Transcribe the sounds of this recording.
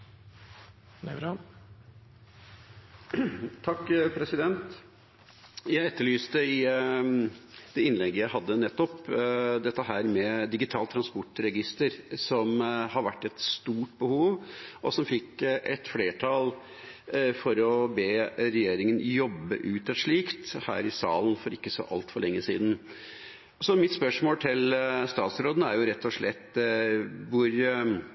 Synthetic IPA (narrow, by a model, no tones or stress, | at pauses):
nɛɾɑn | t̪ʰɑkːpʰɾɛsɪd̪ɛnt̪ | jæɪɛt̪ːəɭyːst̪əɪ | d̪ɛɪnlɛɡːəjæɪɦɑd̪ːənɛt̪ːɔpd̪ɛt̪ːəɦæːɾmɛd̪ɪɡɪt̪ʰɑːlt̪ʰɾɑnspɔʈɾɛɡɪst̪əɾsɔmhɑɾʋæʈːɛt̪st̪uːʈ̚bəhuːʋʔɔsɔmfɪkːʔɛt̪fleːʈʰɑl | fɔɾɔbeːɾɛjeːɾɪŋənjɔbːə̰ʔʉːt̪ɑʂɭiːkt̪hæ̰ːɾɪsɑ̰ːlnfɔɾɪkːəsɔ̰ʔɑ̰lt̪fɔɭɛŋːəsḭːd̪n̩ | sɔmɪt̪spœʂmoːlt̪ʰɪlst̪ɑːt̪sɾoːd̪ənəæɾjʊɾɛt̪ʰːɔʂɭɛt̪ː | ʋʊɾ